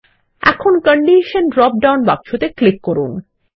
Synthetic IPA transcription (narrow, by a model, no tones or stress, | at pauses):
ɛ̰kʰonkəɳɖiʃənɖɾɔp̚ɖawnbakʃʰot̪eklikːoɾun